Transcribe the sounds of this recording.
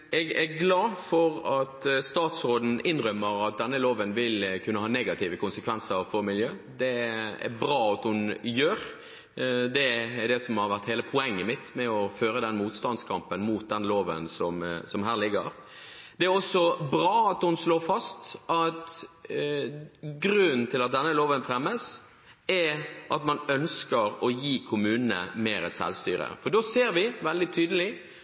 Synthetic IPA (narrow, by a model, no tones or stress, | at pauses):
ɛɡɛɡlɑːfɔɾɑt̪st̪ɑːt̪sɾoːd̪n̩ʔɪnʁœmːəɾɑt̪̚d̪ɛnːəloːʋənʋɪlkʰʉnːəhɑːnɛɡɑt̪ʰiːʋəkʊnsəkʰʋɛnsəɾfɔɾmɪljøːd̪ɛæ̰ɾbʁɑːɑt̪hʊnjøːɾ | d̪ɛd̪ɛsɔmhɑɾʋæʁt̪heːləpʰʊɛŋːəmɪt̪mɛɔføːɾəd̪ɛnmuːt̪st̪ɑnd̪skʰɑmpənmuːt̪̚d̪ɛnloːʋə̰nsɔmsɔmɦæːʁlɪɡə̰ɾ | d̪ɛæɾɔsːɔbɾɑːɑt̪hʊnsloːfɑst̪ʔɑt̪ | ɡɾʉnt̪ʰɪlɑt̪̚d̪ɛnːəloːʋənfɾɛmːəs | ɛʔɑt̪mɑnœnskəɾɔjiːkʰʊmʉːnənə̰meːɾəsɛ̰lst̪y̰ːɾə̰fɔɖoːseːɾʋɪʋɛld̪ɪt̪ʰyːd̪əlɪ